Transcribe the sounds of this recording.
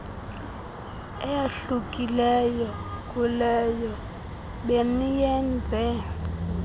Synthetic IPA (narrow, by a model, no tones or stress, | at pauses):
ɛjaɬukʼilɛjɔkʼulɛjɔ | ɓenijɛnd͡zʱɛ